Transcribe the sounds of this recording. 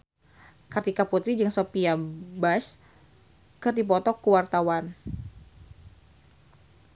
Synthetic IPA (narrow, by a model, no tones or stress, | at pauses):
kart̪ikaput̪ɾid͡ʒɨŋsopiabas | kɨrdipɔt̪ɔkuwart̪awan